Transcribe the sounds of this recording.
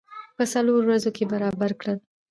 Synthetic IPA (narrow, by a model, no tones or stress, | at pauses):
pəsaloɾowɾazokebaɾɑbaɾkɽəl